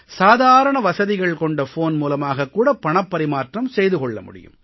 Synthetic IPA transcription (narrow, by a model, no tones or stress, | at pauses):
saːðaːɾɐɳɐʋɐsɐðɪɣɐɭkɔɳɖɐfoːnmuːlɐmaːɣɐkːuːɽɐpːɐɳɐpːɐɾɪmaːʈrɐmsɛjðɯkɔɭːɐ̰mʊ̰ɽɪ̰jɯ̰m